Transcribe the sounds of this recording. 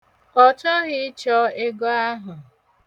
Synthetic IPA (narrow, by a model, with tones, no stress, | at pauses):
ɔ˨t͡ʃɔ˦ɣɪ˦t͡ʃɔ˦e˦ɡɔ˦a˦ɦʊ˨